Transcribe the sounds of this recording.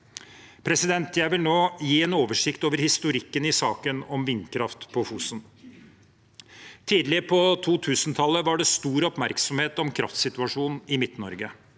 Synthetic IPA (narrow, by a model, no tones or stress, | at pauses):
pʰɾɛsɪd̪ɛnt̪ʰjæɪʋɪlnoːjiːɛːnoːʋəʂɪkt̪oːʋəɾhɪst̪ʊɾɪkːənɪsɑːkənɔmʋɪnːkʰɾɑft̪pʰɔfuːsən | t̪ʰiːd̪lɪpʰɔt̪ʰuːt̪ʰʉːsnt̪ʰɑlːəʋɑɖɛst̪uːɾɔpmæɾksɔmheːt̪ɔmkʰɾɑ̰ft̪sɪt̪ʉɑʂuːnɪmɪt̪nɔɾɡə